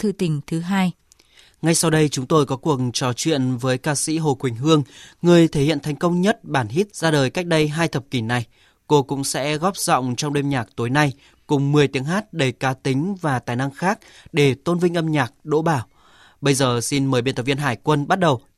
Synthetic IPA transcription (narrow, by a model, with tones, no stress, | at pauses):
t̪ʰɨ̰˧˨t̪ï˨˦ŋ̟t̪ʰɨ˨˦ɦaː˧j | ŋa˧jsa˧wɗə˧jt͡ɕʊ˨˦ŋ͡mt̪o˧jkɔ˨˦kwu˨˩əkt͡ɕɔ˨˩t͡ɕwḭ˧˨ənvəː˨˦jkaː˧sḭ˧˥ɦo̰˨˩kwï˨˩ŋ̟ɦɨ˧əŋŋɨ˨˩əjt̪ʰe˧˩hḭ˧˨ənt̪ʰɛ˨˩jŋ̟kə˧wŋ͡mɲə˦˥t̚ɓaː˧˩nɦi˦˥t̚z̥aː˧ɗəː˨˩jka˦˥k̟̚ɗə˧jɦaː˧jt̪ʰə˨˩p̚ki˧˩na˨˩j | ko˧kʊ̰˧˥ŋ͡msɛ̰˧˥ɣɔ˦˥p̚z̥ɔ̰˧˨wŋ͡mt͡ɕɔ˧wŋ͡mɗe˧mɲaː˨˩k̚t̪o˨˦jna˧j | kʊ˨˩ŋ͡mmɨ˨˩əjt̪i˨˦əŋɦaː˦˥t̚ɗə˧˩jkaː˨˦t̪ï˨˦ŋ̟vaː˨˩t̪aː˨˩jna˧ŋxaː˦˥k̚ɗe˧˩t̪o˧nvï˧ŋ̟ʔə˧mɲaː˨˩k̚ɗo̰˧˥ɓaː˧˩w | ɓə˧jzəː˨˩si˧nməː˨˩jɓe˧nt̪ə˨˧˩vi˧nɦaː˧˩jkwə˧nɓa˦˥t̚ɗə˨˩w